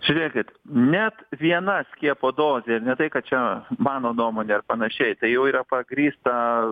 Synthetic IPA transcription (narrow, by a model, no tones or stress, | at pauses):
ʒ̥ʲʊɾʲeːkʲɪt̪nʲɛt̪ʋʲiɛnɐsʲkʲiɛpoːd̪oːzʲeɪɾnʲɛt̪ɐɪkɐt̪̚t͡ʃʲɛmɑːnoːnuɔmoːnʲeːɐrpɐnɐʃʲɛɪt̪ɐɪjɛʊiːɾɐpɐɡɾʲiːst̪ɐ